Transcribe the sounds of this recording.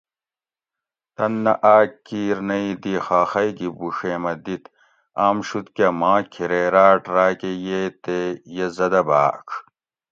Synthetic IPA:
t̪ɐnːɐʔaːkːiːɾnɐid̪iːxaːxɐjɡibuʂeːmɐd̪it̪ | aːmʂut̪kɐmãːkʰiɾeːɾaːʈɾaːkejeːt̪ejezɐd̪ɐbaːkʰ

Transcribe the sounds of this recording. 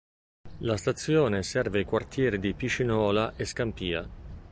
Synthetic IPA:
last̪at̪sːjoːnesɛrveajkwart̪ʰjɛːɾid̪ipit͡ʃːinɔːlaʔeskampiːa̰

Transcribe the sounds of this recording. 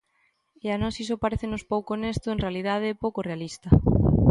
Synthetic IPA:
eanɔsis̬ʊpaɾeθenʊspowkonest̪ʊẽnrealiðað̞ɪpowkorealist̪ɐ

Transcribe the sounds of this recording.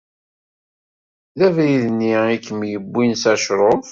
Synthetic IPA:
ðæviðənːiikːmjəbːinsæʃɾˤof

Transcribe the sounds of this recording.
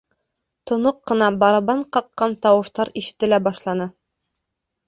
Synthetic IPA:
t̪ŏnoqːɤ̆nɑbɑɾɑbɑɴqɑqːɑnt̪ɑwɤ̆ʃt̪ɑɾiʃɘ̥̆t̪ɘ̆læbɑʃlˠɑnɤ

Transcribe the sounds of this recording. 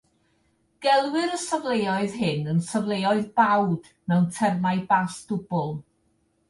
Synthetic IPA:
ɡ̥ɛlˠwɪɾəsəvlˠejɔɨðɦɪnənsəvlˠejɔɨðbawd | mɛwntʰɛrmaɨbasd̥ʊbʊlˠ

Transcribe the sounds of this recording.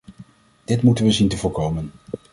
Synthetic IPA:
d̥ɪtmutənʋəzintəvʊːɹkowmən

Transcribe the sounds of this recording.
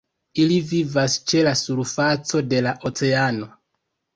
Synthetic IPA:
ilivivast͡ʃe̞lasuɾfat͡so̞de̞laʔo̞t͡se̞ano̞

